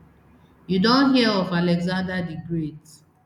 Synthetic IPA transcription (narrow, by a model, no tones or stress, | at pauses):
judõnɦiaɔfalɛɡzãndadiɡɹet